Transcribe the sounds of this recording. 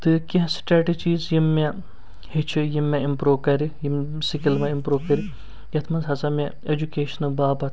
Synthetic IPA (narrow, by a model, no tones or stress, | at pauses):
t̪ɨkiɦsʈɾeːʈid͡ʒiːzjimːe | hit͡ʃʰijimːeimpɾuːkɐɾijimsikilmɐ̃impɾuːkɐɾʲi | jɐt̪ʰmɐnzɦɐsɐme | ed͡ʒukeːʃɐnɐbaːbɐt̪